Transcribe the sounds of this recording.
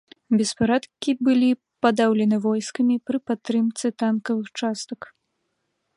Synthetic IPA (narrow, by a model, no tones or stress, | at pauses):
bʲɛspaɾat̪kʲibɨlʲi | pad̪awlʲɛnɨvɔjskɐmʲipɾɨpat̪ːɾɨmt̪sɨt̪ankɐvɨxt͡ʂast̪ɐk